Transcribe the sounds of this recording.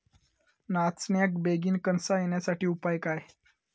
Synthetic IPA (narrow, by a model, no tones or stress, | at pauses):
nat͡snjak̚beɡiːnkənsajenjasaʈiːupajkaj